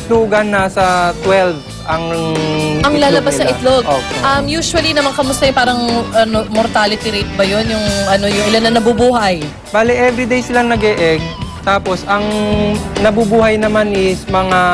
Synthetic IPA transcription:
luːɡɐnːɐsɐt̪wɛlv | ʔɐŋ | ʔɐŋlaːlɐbasnɐʔɪt̪loɡokʔɐmjuːsʊwɐlinɐmɐŋkɐmʊst̪ɐjʊpaːɾɐŋʔɐnomoɾt̪aːlɪt̪iɾejt̪̚bɐjo̞njʊŋʔɐno̞jʊŋɪlanːɐnɐbubuːɦɐj | b̥aːlɪʔɛvɾɪd̪ejsɪlaŋnɐɡɛʔɛɡ̚t̪aːpo̞sʔɐŋ | nɐbubuːhɐjnɐmanʔɪsmɐŋa

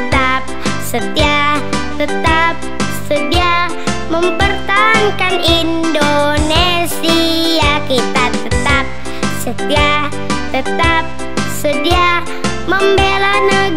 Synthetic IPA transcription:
ət̪ap̚sət̪ia | t̪ət̪ap̚ | sədia | məmpərt̪aɦankanin | done | sijakit̪at̪ət̪ap̚ | sət̪ia | t̪ət̪ap̚ | sədia | məmbelanəɡ

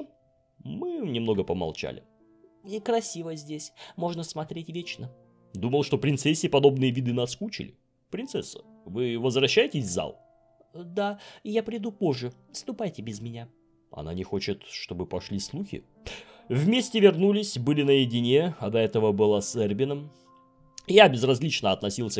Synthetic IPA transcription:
mɨnʲɪmno̞ɡəpəmɐ̰lˠt͡ɕa̰lʲɪ̰ | ikɾɐsʲivəzʲdʲesʲmo̞ʐnəsmɐt̪ɾʲetʲvʲet͡ɕnə | d̪uməlˠʂt̪o̞pɾʲɪnt̪sɛsʲɪpɐd̪o̞bnɨjəvʲid̪ɨnaskut͡ɕɪ̰lʲɪ̰ | pɾʲɪnt̪sɛsːə̥ | vɨvəzvɾɐɕːæjɪtʲɪsʲvza̰lˠ | d̪ajapɾʲɪd̪upo̞ʐːɨ | fst̪ʊpajtʲɪbʲɪzmʲɪnʲa | ɐ̰na̰nʲɪxo̞t͡ɕɪt̪ʂt̪o̞bɨpɐʂlʲislˠuxʲɪ̰ | vmʲesʲtʲɪvʲɪrnulʲɪsʲbɨlʲɪnəjɪdʲɪnʲeɐd̪ɐɛt̪əvəbɨlˠasɛrbʲɪnəm | jabʲɪzrɐzʲlʲit͡ɕnəɐt̪nɐsʲilˠsʲə

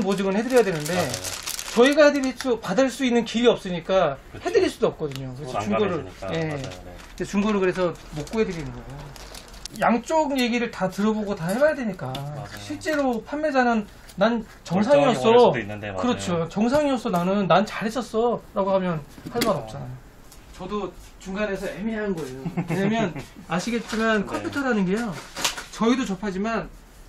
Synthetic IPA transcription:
nbod͡ʑɯɡɯnhe̞dɯɾjjadwenɯnde̞t͡ɕʌiɡahedɯɾs͈upadɯɭs͈uinːɯnkiɾiʌp̚s͈ɯɲik͈ahe̞dɯɾiɭs͈udoʌp̚k͈ʌdɯɲokɯɾesʰʌuŋɡoɾɯɭje̞ | et͡ɕuŋɡoɾɯkɯɾe̞sʰʌmok͈uɦedɯɾinɯnɡʌɡo | jaŋt͡ɕ͈oɡje̞ɡiɾɯɭtatɯɾʌboɡotahebajadweɲik͈aɕʰiɭt͡ɕ͈e̞ɾopʰanːed͡ʑanɯnː | an | t͡ɕʌŋsʰaŋiʌss͈ʌkɯɾʌt͡ɕʰot͡ɕʌŋsʰaŋiʌs͈ʌnanɯnːant͡ɕaɾɦet͡ɕʰʌs͈ʌɾaɡoɦamjʌnhaɭmaɾʌp̚t͡ɕ͈anajo | t͡ɕʌdo | t͡ɕuŋɡane̞sʰʌemiɦanɡʌejokeɲamjʌnaɕʰiɡe̞t̚t͡ɕ͈imankʰʌmpʰutʰʌɾanɯnɡe̞jot͡ɕʌidot͡ɕʌpʰad͡ʑiman

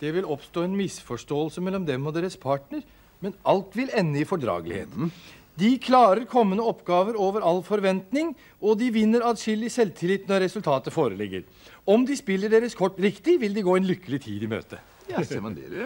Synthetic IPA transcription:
d̪̥ɛʋɪlɔpst̪oːɛnmɪsfɔʂʈoːəlsəmɛlːɔmd̪ɛmɔd̪eːɾəspʰɑːʈnəɾ | mɛnʔɑlt̪ʋɪlɛnːəɪfɔɖɾɑ̰ːɡəlɪ̰hḛːt̪ | d̪ɪkʰlɑːɾəɾkʰɔmːənəɔpːɡɑːʋəɾoːʋəɾɑlːfɔɾʋɛnt̪nɪŋ | ɔd̪ɪʋɪnːəɾɑd̪sʏlɪsɛlt̪ʰɪlɪt̪ːnɔɾːɛsʉlt̪ʰɑːt̪əfoːɾəlɪɡːə̰ɾ | ɔmd̪ɪspɪlːəɖeːɾəskʰɔʈːɾɪkt̪ɪʋɪld̪ɛɡoːɛnlʏkːəlɪt̪ʰiːd̪ɪmø̰ːt̪ə

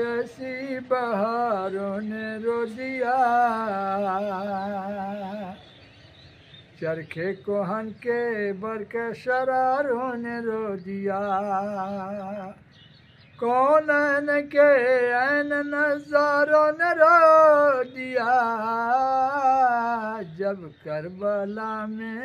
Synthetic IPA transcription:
ɛsi | bəɦaɾoneɾod̪ija | t͡ʃɐɾkʰekoɦɐ̃nkebɐɾkəʃɐɾaːɾɦoneɾod̪ɪija | kɔːnənekeənenɐzaːɾɦoːneɾo | d̪ija | d͡ʒəb | kɐɾbəlamẽ

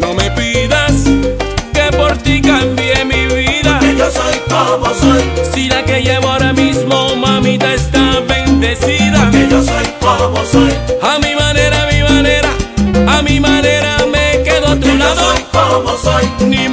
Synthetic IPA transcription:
nõmepiðas | kepoɾt̪ikambjemiβiðajosojkomosojsilakeʝeβoɾamizmomãmit̪aest̪aβẽnd̪esiðaeʎosojkomosojamimãneɾamimaneɾaamimaneɾamekeðot̪ulaðoojkomosojni

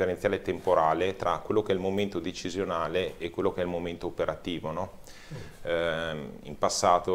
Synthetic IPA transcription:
eɾenjaːlet̪empoɾaːlet̪ɾʔakwelːokeɛilmoment̪od̪et͡ʃizjonaːleːkːwelːokeɛilmoment̪oːpeɾʔat̪iːvonɔ | ḭmpasːaːt̪o

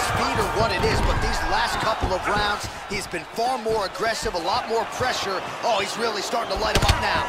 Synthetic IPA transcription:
spiɾə˞wʌɾɨɾɪzbʌt̪̚ðizlæstkʰʌpl̩ˠʌvɹãʊ̃ndz̥ | hizbɨ̃nfɑɹmɔɹɨɡɹɛsɨvəlɔt̚mɔɹpʰɹ̥ɛʃə˞ | ʔoʊhizɹɪlˠistɑɹɾɪ̃ŋtʰəlaɪɾɨ̃mʌp̚naʊ

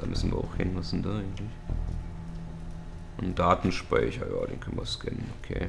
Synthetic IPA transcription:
d̥aːmʔʏsn̩vḭɐʔa̰ʊxhɪnnɪsn̩daʔaɪɡŋ̩tlɪç | ʔʊndndaːtn̩ʃpa̰ɪçɐja̰ːdeːnkʰœnənvɐɐskɛnənokʰeː

